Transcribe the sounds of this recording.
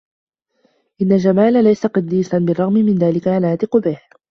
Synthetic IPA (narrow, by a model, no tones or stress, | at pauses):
ʔɪnːald͡ʒamaːlalajsaqɑd̪ːiːsanbɪrˤːɑɣmɪmɪnðaːlɪkaʕalaːt̪ɪqʊbɪh